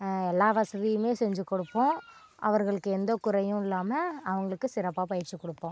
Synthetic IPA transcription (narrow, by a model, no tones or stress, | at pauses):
ɛlːaːʋɐsɐðɪjɯmeːsɛɲd͡ʒɯkːɔɽɯpːõː | ʔɐ̰ʋɐɾɣɐɭɯkːɯɛnd̪oːkʊɾɐjʊ̃ɪlːaːmɐɐʋɐŋɡɐɭɯkːɯsɪɾɐpːaːpɐjɪɾt͡ʃːɯkːɔɽɯpːõː